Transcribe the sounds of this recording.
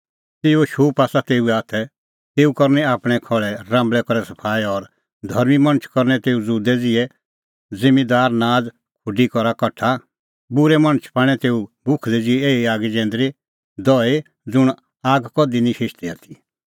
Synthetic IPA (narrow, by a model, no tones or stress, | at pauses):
t̪eːuoʃoːpaːsat̪eːuɛaːt̪ʰɛ | t̪eːukɔɾnɛaːpɽ̃ɛkʰɔɭɛɾãːmbɭɛkɔɾɛsɐpʰaːiɔɾ | d̪ʱɔɾmimɐ̃ñət͡ʃʰkɔɾnɛt̪eːud͡zuːd̪ɛd͡zɪɛ | ɪmid̪aːɾnaːd͡z | kʰʊɖikɔɾakɐʈʰa | bʊɾɛmɐñət͡ʃʰpãːɽ̃ɛt̪eːubʱʊkʰd̪ɛd͡zɪɛeːiaːɡɛd͡ʒɛ̃ːnd̪ɾi | d̪ɔe | d͡zʊɽ̃ | aːɡkɔd̪inĩʃɪʃt̪iaːt̪ʰi